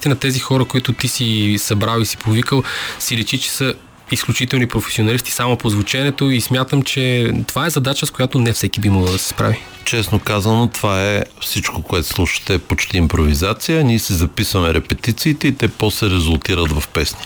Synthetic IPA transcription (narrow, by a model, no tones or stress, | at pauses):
it̪ʲinɐt̪ɛzixɔɾəkoit̪ʊt̪isisɐbɾalisi̥povikəlˠsiɾɛʃit͡ʃɛ̥sə | isklʲut͡ʃit̪ɛlˠnipɾofɛ̥sionɐlist̪i̥samopozvot͡ʃɛnɛt̪oismjat̪əmt͡ʃɛt̪ovaɛzɐd̪at͡ʃəskojat̪onɛfsɛkibimoɡlˠɐd̪ɐsɛ̥spɾa̰vi | t͡ʃɛsnokazɐnot̪ovaɛfsit͡ʃkokoɛt̪o̥slˠuʃə̥t̪ɛpot͡ʃt̪iːmpɾovizat̪sijəniɛsizɐpisvɐmɛɾɛpɛt̪it̪siːt̪ɛit̪ɛpɔslɛɾɛzulˠt̪iɾət̪vɐfpɛsni